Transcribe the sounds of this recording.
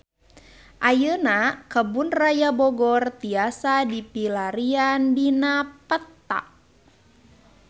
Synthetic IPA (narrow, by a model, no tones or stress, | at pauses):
ʔajənakəbunrajabɔɡɔrt̪iasadipilaɾiandinapət̪ːa̰ʔ